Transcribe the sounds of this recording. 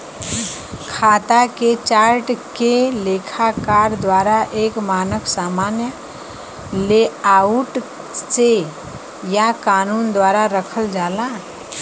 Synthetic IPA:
kʰat̪aket͡ʃaɾʈkelekʰakaɾd̪waɾaʔekmaːnəksamanjə | leauʈ | se | jakanuːnd̪waɾaɾəkʰəld͡ʒalã

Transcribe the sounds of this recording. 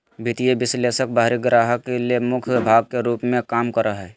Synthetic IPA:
bʱit̪ieʋɪsleːsək̚baːɦɾiɡɾaːɦəkːeliemʊkʰjbʱaːɡ̚keɾuːpmẽkaːmkəɾəɦɛ

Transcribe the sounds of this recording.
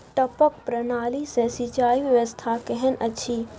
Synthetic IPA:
ʈɐpək̚pɾənaːlisɛsit͡ʃaːiʋjəʋəst̪ʰakɛɦɛnʔɐt͡ʃʰiː

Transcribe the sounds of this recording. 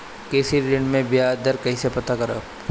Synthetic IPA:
keːsiɾɪ̃ɳɖmẽbjaːd̪əɾkɐɦĩsepɐt̪akɐɾə̰p

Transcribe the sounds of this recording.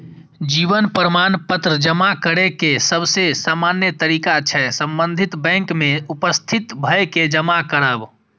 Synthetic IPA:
d͡ʒiʋənpɾəmanpət̪ɾəd͡ʒəmakəɾekesəbsesaːmanjət̪əɾiːkat͡ʃʰɛsə̃mbə̃nd̪ʱit̪bɛ̃ŋkmeupəst̪ʰit̪bʱəeked͡ʒəmakəɾaːb

